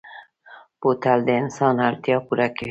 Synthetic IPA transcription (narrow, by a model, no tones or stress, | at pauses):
b̥ot̪ald̪ensɑːnaɾt̪ijɒpuɾake